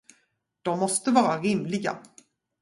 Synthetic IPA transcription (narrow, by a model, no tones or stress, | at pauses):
d̪̥ɔmːɔst̪əvɑːɾaɾɪmlɪɡa̰